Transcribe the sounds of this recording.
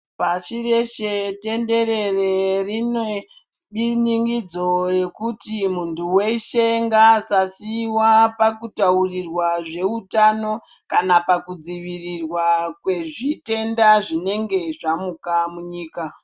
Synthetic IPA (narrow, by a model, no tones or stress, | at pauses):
pat͡ʃire̞ʃete̞nde̞ɾe̞rerine | ɓiniŋɡid͡zo̞re̞kutimuntʰuwe̞iʃeŋɡasasiwapakutaurirwaʐe̞utano̞ | kanapakud͡ziʋirirwakwe̞ʐite̞ndaʐine̞ŋɡe̞ʐamukamuɲiːka